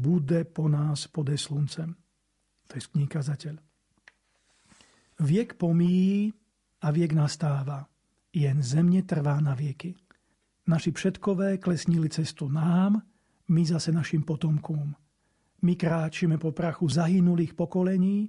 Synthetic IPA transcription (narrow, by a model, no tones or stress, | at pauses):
bud̪ɛpɔnaːspɔd̪ɛslunt͡sɛm | t̪ɔjɛskɲiːkazacɛʎ | ʋɪɛkpɔmiji | aʋɪɛɡnast̪aːʋa | jɛnzɛmɲɛt̪r̩ʋaːnaʋɪɛki | naʃifʃɛt̪kɔʋɛːklɛsɲilit͡sɛst̪unaːm | mizasɛnaʃiːmpɔt̪ɔmkɔm | mikɾaːt͡ʃimɛpɔpɾaxuzaɦinuliːxpɔkɔlɛɲiː